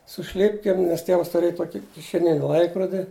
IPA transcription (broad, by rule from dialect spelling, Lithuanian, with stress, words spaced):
sʊ ˈʃʲlʲɪpʲkʲeːm nʲɛs ˈtʲiɛʋɐs tʊˈrʲeːj ˈtoːkʲɪ kʲɪʃʲɛˈnʲɪnʲɪ ˈlˠɐɪkroːdʲɪ